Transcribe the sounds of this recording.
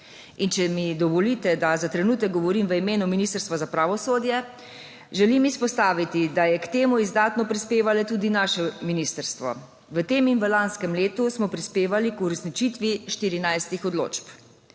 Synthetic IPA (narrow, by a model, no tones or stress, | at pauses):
int͡ʃɛmid̪ɔʋɔlit̪ɛd̪azat̪ɾɛnuːt̪ɛk̚ɡɔʋɔɾiːmʋəimeːnuminiːst̪əɾst̪ʋazapɾaːʋɔsoːd̪jɛ | ʒɛlimispɔst̪aːʋit̪id̪ajɛkt̪eːmuizd̪aːt̪nɔpɾispeːʋalɛt̪uːd̪inaʃɛminiːst̪əɾst̪ʋɔ̰ | ʋət̪eːminʋəlanskɛmleːt̪usmɔpɾispeːʋalikuɾɛsnit͡ʃit̪ʋiʃt̪iɾinajst̪ixɔd̪lo̰ːt͡ʃp